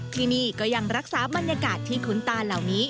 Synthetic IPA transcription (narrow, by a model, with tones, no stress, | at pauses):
t̪ʰiː˥˩niː˥˩kɔː˥˩ja˧ŋɾa˦˥k̚saː˨˩˦ba˧nja˧kaː˨˩t̪ʰːiː˥˩kʰu˩˦nt̪aː˧nla˨˩wniː˦˥